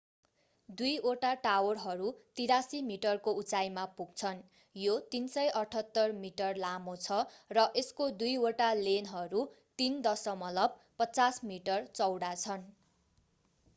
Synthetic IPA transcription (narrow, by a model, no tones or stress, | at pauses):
d̪ujoʈaʈawʌrɦʌɾut̪iɾasimiʈʌrkout͡sajmapuɡ̚t͡sʰʌn | jot̪insʌjʔʌʈʰʌt̪ːʌrmiʈʌrlamot͡sʰʌrʌʔeskod̪ujoʈalenɦʌɾu | t̪ind̪ʌsʌmʌlʌb̚ | pʌt͡sasmiʈʌrt͡sʌwɽat͡sʰʌn